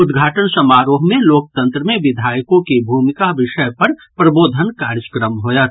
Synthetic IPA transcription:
ʊd̪ɡʱaːʈənsɐmaːɾoːɦmẽloːk̚t̪ə̃nt̪ɾəmẽʋɪd̪ʱaːjkõkebʱuːmɪkaʋɪʃəjpɐɾpɾɐboːd̪ʱənkaːɾd͡ʒəkɾəmɦoːjat̪

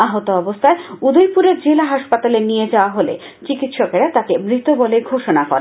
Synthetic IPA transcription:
aɦot̪oɔbost̪ʰaeud̪ojpuɾeɾd͡ʑelaɦaʃpat̪alenijed͡ʑaoaɦolḛ | t͡ɕikit̪ʃokeɾat̪akemɾit̪oboleɡʱoʃonakɔ̰ɾe

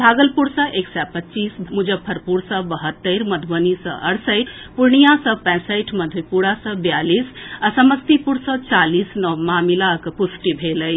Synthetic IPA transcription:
bʱaɡəlpuɾsə̃ʔeksɛpətːt͡ʃismud͡ʒəbpʰəɾpuɾsə̃bəɦət̪ːəɪɾməd̪ʱʋənisə̰̃ʔəɽsəɪʈʰ | puɾɳijasə̃pɛ̃səjʈʰməd̪ʱujpuɾasə̃bjalisasəməst̪ipuɾsə̃t͡ʃalisnəmamilakpusʈibʱeləj

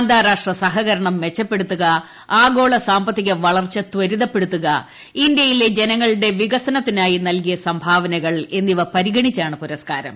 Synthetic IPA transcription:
ɐnd̪ʱaːɾaːʂʈrɐsɐɦɐɣɐɾɐɳɐmːet͡ɕːɐpːe̞ɽut̪ːuɣɐ | aːɡo̞ːɭɐsaːmbɐt̪ːiɣʲɐʋɐɭɐrt͡ɕːɐt̪ʋɐɾiðɐpːe̞ɽut̪ːuɣɐ | ind̪jɐjile̞d͡ʑe̞nɐŋːɐɭɨɽe̞ʋiɣɐsɐnɐt̪ːinaːjinɐlkijɐsɐmbʱaːʋɐnɐɣɐɭe̞nːiʋɐpɐɾiɣɐɳit͡ɕːaːɳɨpuɾɐskaːɾɐ̰m

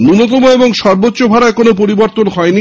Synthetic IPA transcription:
nunot̪̬omoeboŋʃɔɾbotːɕobʱaɾaekonopoɾiboɾt̪onɦɔeni

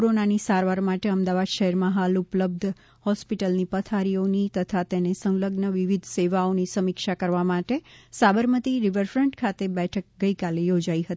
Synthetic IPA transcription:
koɾonanisaɾʋaɾmaʈeəmd̪aʋad̪ʃəɦɛɾmãɦalʊpləb̚d̪ʱ | hɔspiʈəlnipət̪ʰaɾionit̪ət̪ʰat̪enesə̃ŋləɡnəʋiʋid̪ʱseʋaonisəmikʃakəɾʋamaʈesabəɾmət̪iɾiʋəɾfɾəɳʈkʰat̪ebɛʈʰək̚ɡəikalejod͡ʒaiɦət̪i

